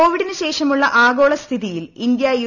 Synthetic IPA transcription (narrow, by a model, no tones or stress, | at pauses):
o̞ːʋiɽinɨɕe̞ːʂɐmuɭːɐʔaːɡo̞ːɭɐst̪ʰiðijilind̪jɐj